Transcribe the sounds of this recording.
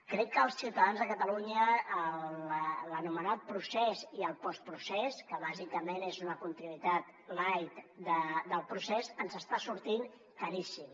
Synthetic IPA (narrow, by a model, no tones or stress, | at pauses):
kɾɛkːəːlˠsiwt̪əðanzðəkət̪əluɲəːllllənumənat̪̚pɾusɛziəlˠpɔspɾusɛskəβ̞azikəmenezunəkunt̪inuit̪at̪ | lajt̪d̪əd̪əlˠpɾusɛzənzəst̪asuɾt̪in | kaɾisim